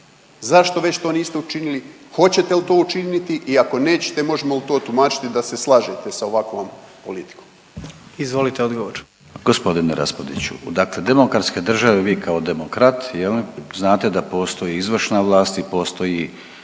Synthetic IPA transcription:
zaʃt̪o̞ʋe̞t͡ɕt̪o̞ːniːst̪eut͡ʃinili | xo̞t͡ɕe̞t̪elt̪o̞ːut͡ʃinit̪iʔiako̞ne̞ːt͡ɕe̥t̪e̞mo̞ʒemolt̪o̞ːt̪umaːt͡ʃi̥t̪id̪ase̞slˠaːʒet̪e̞sao̞ʋakʋompo̞̰lit̪i̥kom | izʋo̞lit̪eod̪ɡoʋoɾ | ɡ̥o̞spo̞d̪ineɾʔa̰spod̪it͡ɕṵd̪akle̞d̪e̞mokɾat̪ske̞d̪r̩ʒaʋeʋiːkʰao̞d̪e̞mo̞kɾat̪jeliznaːt̪ed̪apo̞ːst̪o̞jiizʋr̩ʃnaʋlˠaːst̪ipo̞ːst̪o̞ji

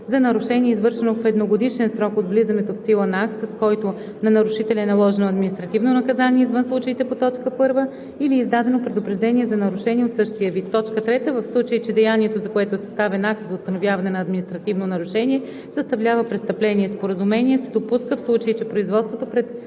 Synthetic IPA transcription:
zɐnɐɾʊʃɛniɛizvɤɾʃɛnofɛd̪noɡod̪iʃɛnsɾɔkot̪vlizɐnɛt̪ofsilˠənɐak̚t̪sɐskɔjt̪o | nɐnɐɾuʃit̪ɛlʲɛnɐlˠɔʒɛnoɐd̪minist̪ɾɐt̪ivnonɐkɐzanʲiɛizvənslˠut͡ʃəit̪ɛpot̪ɔt͡ʃkəpɤɾvə | iliːzd̪ad̪ɛnopɾɛd̪ʊpɾɛʒd̪ɛniɛzɐnɐɾuʃɛniɛot̪sɤʃt̪ijəvit̪ːɔt͡ʃkət̪ɾɛt̪əvəfslˠut͡ʃəit͡ʃɛd̪ɛjaniɛt̪ozɐkoɛt̪oɛsɐ̥st̪avɛnak̚t̪zɐʊst̪ɐnovʲjavɐnɛnɐːd̪minist̪ɾɐt̪ivnonɐɾʊʃɛnʲiɛ | sɐst̪ɐvlʲavəpɾɛt̪st̪ɐplɛniɛspoɾəzumɛniɛsɛd̪opuskəfslˠut͡ʃəit͡ʃɛpɾoizvɔt̪st̪vot̪opɾɛt̪

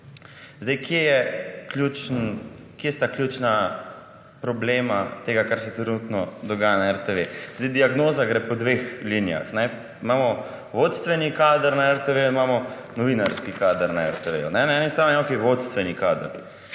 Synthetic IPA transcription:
zd̪ejkjejɛkljuːt͡ʃnn | kjest̪akljuːt͡ʃna | pɾɔbleːmat̪eːɡakaɾsɛt̪ɾɛnuːt̪nɔd̪ɔɡaːjanaɛɾt̪eʋez̥d̪ejd̪iaɡnoːzaɡɾɛpɔd̪ʋexlinija̰xnɛ | imaːmɔ | ʋot̪st̪ʋɛnikaːd̪əɾnaɛɾt̪eʋejuimamɔ | nɔʋinaɾskikad̪əɾnaɛ̰ɾt̪eʋḛjṵnɛnaɛnist̪ɾanimakeʋot̪st̪ʋɛnikaːd̪əɾ

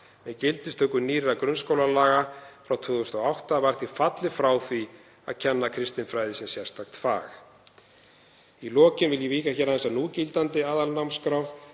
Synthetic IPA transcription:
mɛcɪlt̪ɪst̪ʰœːkʏniːɾɪɾakɾʏnskoːwlalaːɣafɾawt̪ʰʏːðʏst̪ɔɣawht̪avaɾ̥θifat̪lɪfɾaːwθvi | a̰ðcʰɛnːakʰɾɪst̪ɪnfɾaːjðɪsjɛsjɛ̥st̪ʰaxt̪fa̰ːx | ilɔːcɪnvɪljɛviːkaçɛɾaðɛnsanuːcilt̪ant̪ɪaːðalnawmskɾaw

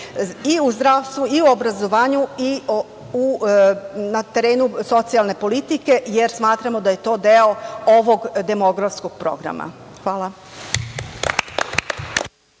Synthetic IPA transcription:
iuzd̪ɾaːʋst̪ʋuiuobɾazo̞ʋaːɲui | u | nat̪e̞ɾe̞ːnuso̞t̪sialˠne̞po̞lit̪ike̞jeɾsmaːt̪ɾamod̪aje̞t̪o̞ːd̪eo̞oʋo̞ɡd̪e̞mo̞ɡɾafskoɡ̥̚pɾo̞̰ɡɾa̰mʔa̰ | xʋaːlˠa

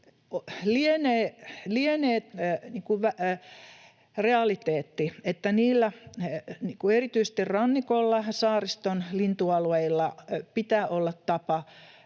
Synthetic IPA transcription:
olieneːlieneːt̪niːkuʋæ | reɑlit̪eːt̪ːiet̪ːæniːlːæ | niːkuerit̪yise̥st̪irrɑnːikolːɑsɑːrist̪onlint̪uɑlueilːɑpit̪æːʔolːɑt̪t̪ɑpɑ

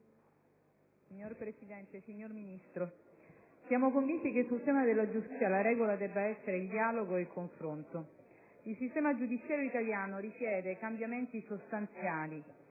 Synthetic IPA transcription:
siɲːorpɾesid̪ɛnt̪esiɲːorminist̪ɾo | sjaːmokoɱvint̪ikesːult̪ɛːmad̪elːad͡ʒust̪isjalaɾɛːɡolad̪ɛbːaɛsːeɾeild̪iaːloɡoeilkoɱfɾont̪o | ilsist̪ɛːmad͡ʒud̪it̪sjaːɾjoit̪aljaːnoɾisjɛːd̪ekambjament̪isost̪ant̪sjaːli

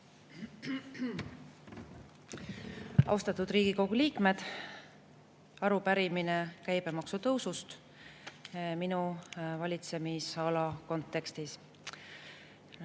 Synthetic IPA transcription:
ɑ̰wst̪ɑt̪ːˑud̪riːɡ̥iko̞ɡ̥uliːkme̞d̪̥ | ɑɾupæɾiminekæjbemɑksut̪ɤwsust̪ | minuvɑlʲit̪se̞misɑlɑko̞nt̪ːˑe̞kst̪is

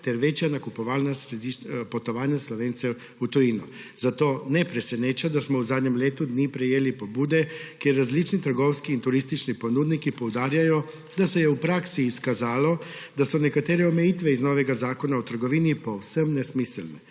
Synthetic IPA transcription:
t̪ɛɾʋet͡ʃjanakupɔʋaːlnasɾed̪iʃpot̪ɔʋaːnjaslɔʋeːnt̪sɛ | ut̪ɔjinu | z̥at̪oːnɛpɾɛsɛneːt͡ʃad̪asmɔuzaːd̪ɲɛmleːt̪ud̪niːpɾɛjeːlipobuːd̪ɛkjɛɾːazlit͡ʃnit̪əɾɡowskiːnt̪uɾist̪it͡ʃniponuːd̪nikipowd̪aːɾjajɔ | d̪asɛjɛupɾaːksiːskazaːlo | d̪asɔnɛkat̪eːɾɛɔmejiːt̪ʋɛiznoːʋɛɡazaːkonaɔt̪əɾɡoʋiːnipowsəmnɛsmisɛlnɛ

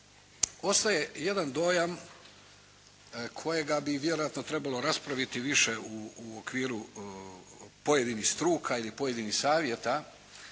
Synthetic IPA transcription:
o̞st̪aje̞je̞d̪and̪o̞jam | kʰo̞je̞ɡabiʋje̞ɾo̞jat̪no̞t̪ɾe̞balˠo̞ɾaspɾaʋit̪iʋiʃe̞uokʋiːɾu | po̞je̞d̪inihst̪ɾuːkʰailipo̞jed̪inixsaːʋje̞t̪a

